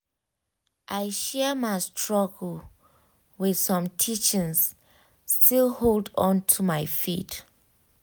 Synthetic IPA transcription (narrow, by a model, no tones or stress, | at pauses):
ʔajʃɛmajstʰɹɔɡəl | wið̥sɔ̃mtʰit͡ʃĩŋs | stʰilholdɔ̃ntʰumajfit